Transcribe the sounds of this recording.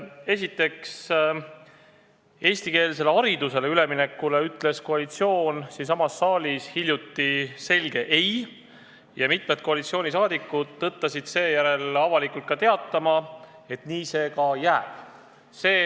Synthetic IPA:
e̞s̬it̪ːˑe̞ks | e̞ːsʲt̪ike̞ːlse̞le̞ɑɾid̪use̞le̞yle̞mine̞kːule̞yt̪ːˑle̞sko̞ɑlit̪sio̞ːnsinsɑmɑsːɑːlʲishilʲjut̪ːise̞lʲɡ̥e̞ʔe̞j | jɑmit̪med̪̥̚ko̞ɑlit̪sio̞ːnʲisɑːd̪ikːˑud̪ːɤt̪ˑːɑsid̪̥se̞ːjæɾe̞lɑvɑlikult̪̚kɑt̪e̞ɑt̪ːˑɑmɑ | e̞t̪niːse̞ːkɑjæːb̥ | se̞ː

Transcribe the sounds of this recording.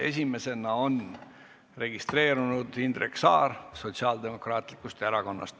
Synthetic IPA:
e̞s̬ʲime̞se̞nɑo̞n | re̞ɡ̥ist̪re̞ːɾunud̪̥ind̪reksɑ̰ːɾso̞t̪ʲsiɑːld̪̥e̞mo̞krɑːt̪ˑlikːˑust̪eɾɑko̞nːɑ̰st̪

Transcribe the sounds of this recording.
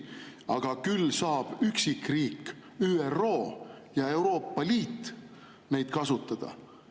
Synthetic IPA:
ɑɡ̥ɑkylsɑːb̥yksikriːkː | yːero̞ː | jɑe̞wɾo̞ːpːˑɑliːt̪ː | ne̞jd̪̥kɑsut̪ːˑɑd̪̥ɑ̰

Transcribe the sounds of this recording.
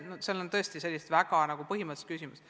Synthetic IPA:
noselont̪ɤ̞est̪ise̞lʲːist̪væɡ̥ɑnɑɡ̥upɤɦimɑt̪u̥st̪̚kysimus

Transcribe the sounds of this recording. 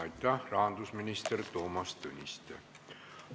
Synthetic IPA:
jt̪ːɑrɑːnd̪usminʲist̪ert̪oːmɑst̪ønʲist̪ḛ

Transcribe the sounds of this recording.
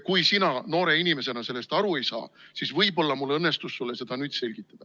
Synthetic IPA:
kujsinɑno̞ːɾe̞inime̞se̞nɑse̞lːe̞st̪ɑɾue̞jsɑ̰ːsisvɤjbo̞lːɑmulːɤnːe̞st̪usːulːese̞d̪̥ɑnyːd̪̥se̞lʲɡ̥it̪ˑːɑd̪̥ɑ

